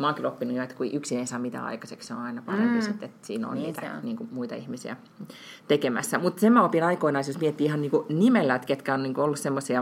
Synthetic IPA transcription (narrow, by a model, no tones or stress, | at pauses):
mɑːˑŋkilopːinujoet̪kueiʔyksineisɑːmit̪æ̰ɑ̰ikɑseksseo̰ːnɑinɑpɑrempisit̪ːet̪siːno̰nniːt̪æniːŋkumuit̪ɑ̰ihmisiæ̰ | t̪ekemæ̰sːæmut̪semæopinɑikoinɑest̪josmiet̪ːiːihɑniːŋkunimelːæet̪ket̪kæonniːŋkuolːussemːosiɑ